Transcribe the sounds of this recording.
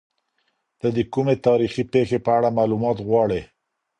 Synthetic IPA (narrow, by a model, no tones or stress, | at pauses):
d̪̥əd̪əkumet̪ɑɾixipexepəaɽamɑlumɑt̪ɣwɑɽe